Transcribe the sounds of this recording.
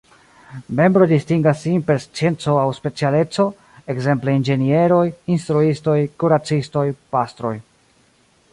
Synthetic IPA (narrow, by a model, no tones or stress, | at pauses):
me̞mbɾo̞distiŋɡasːinpe̞ɾst͡sie̞nt͡so̞awspe̞t͡siale̞t͡so̞ | ekze̞mple̞ind͡ʒe̞nie̞ɾo̞jinst̪ɾuisto̞jkuɾat͡sisto̞jpastɾo̞̰j